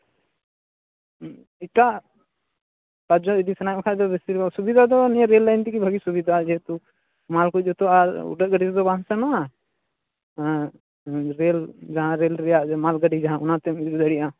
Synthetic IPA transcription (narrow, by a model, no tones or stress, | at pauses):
iʈaʔ | kad͡ʒɔid̪isɛnajɛ̃kʰad̪ɔbɛst̪iɾasubid̪ʱad̪ɔnɛãɾɛlːajnt̪ikibʱəɡisubid̪ʱad͡ʒɛt̪u | malkut̪̚ˀd͡ʒɔt̪ɔaɾṵɖət̪̚ɡəɖisd̪ɔbãɦsɛnɔa | ɾɛld͡ʒaɦãɾɛlɾɛjaʔmalɡəɖid͡ʒaɦãunãt̪ɛmid̪id̪əɽiʔa